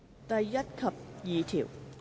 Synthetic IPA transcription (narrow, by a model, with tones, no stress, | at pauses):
t̪a˧jja˦˥t̪̚kʰa˨˩p̚jiː˨˩˦t̪ʰḭ˨˩˦w